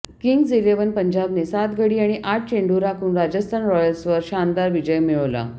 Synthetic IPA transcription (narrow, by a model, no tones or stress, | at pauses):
kiŋɡd͡zileʋənpəɲd͡ʑabnesat̪ɡʱəɽiːaɽ̃iʔaʈ̚ʰt͡ɕeɳɖuɾakʰuːnɾad͡ʑəst̪ʰanɾɔjəlsʋəɾɕand̪aɾʋid͡ʑəjmiɭəʋla̰